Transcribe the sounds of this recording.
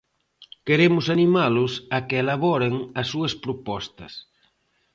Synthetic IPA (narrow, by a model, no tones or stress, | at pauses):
keɾemʊsanimalosakeːlaβɔɾeŋɐsːuɐspɾopɔst̪ɐs